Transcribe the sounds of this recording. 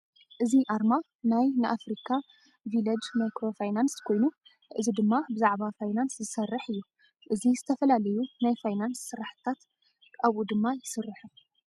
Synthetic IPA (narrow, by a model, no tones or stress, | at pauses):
ʔɨziʔaɾma | najnɨʔafɾikʰa | vilɐd͡ʒmajkɾo̞fajnanskʰo̞jnu | ʔɨzid̪ɨmːabɨzaʕbafajnanszɨsɐrːɨħɨjːu | ʔɨzizɨt̪ʰɐfɐlalɐjunajfajnansːɨɾaħɨ̥t̪ʰat̪ | kʼaβud̪ɨmːajɪsɨrːɨħu